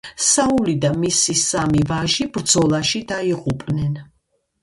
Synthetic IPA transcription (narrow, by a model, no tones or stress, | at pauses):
saulid̪amisisamivaʒibɾd̪z̥ɔlˠaʃid̪aiʁupʼnɛn